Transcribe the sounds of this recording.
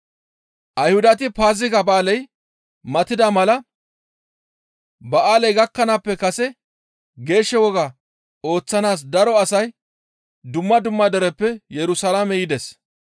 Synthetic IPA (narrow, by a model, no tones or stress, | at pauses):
ʔɐjhʊd̪ɐt̪ɪpaːzɪɡɐbaːlɛj | mɐt̪ɪd̪ɐmɐlɐ | bɐʔaːlɛjɡɐkːɐnapːɛkɐsɛ | ɡe̞ːʃːɛwɔɡa | o̞ːt͡sːɐnaːs̬d̪ɐɾɔɐsɐj | d̪ʊmːɐd̪ʊmːɐd̪ɛɾɛpːɛjɛɾʊsɐlaːmɛjɪd̪ɛs